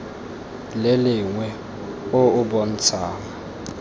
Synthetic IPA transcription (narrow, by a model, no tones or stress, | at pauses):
lelɪŋwɛ | oʊbɔn̩t͡sʰaːŋa